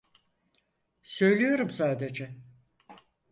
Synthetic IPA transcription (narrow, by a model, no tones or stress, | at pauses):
sø̞jlʲijo̞ɾumsaːd̪e̞d͡ʒɛ